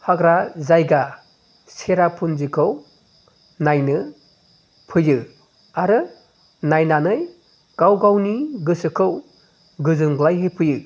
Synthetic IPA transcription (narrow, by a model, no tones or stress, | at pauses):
haɡɾazajɡa | seɾapʰunzikʰɯw | najnɯ | pʰɯjɯ | aɾɯ | najnanɯj | ɡ̥awɡawniɡɯsɯkʰɯw | ɡɯzɯnɡlajɦepʰɯjɯ